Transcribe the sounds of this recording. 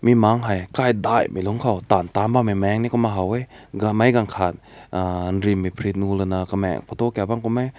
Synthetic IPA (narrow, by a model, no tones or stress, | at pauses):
mimaŋɦajkajdajmʔiluŋkʰawt̪ant̪ambamimɛŋnikɔmaɦawejɡamajɡaŋkʰat̪̚anɾimːipʰɾit̪̚nulɯnakamɛ̰ŋpʰɔt̪okɛbaŋkɔmaj